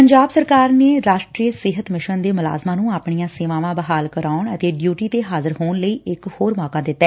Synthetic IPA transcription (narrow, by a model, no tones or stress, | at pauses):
pəɲd͡ʒaːbsəɾkaːɾneːɾaːʃʈɾiːəsɪɦət̪mɪʃənd̪eːmʊla̰ːzmãːnũːaːpɳijãːseːʋãːʋãːbəɦaːlkəɾaːʊɳət̪eːɖjuːʈiːt̪eːɦaːzəɾɦoːɳləiːʔɪkhoːɾmɔːkaːd̪ɪt̪ːɛː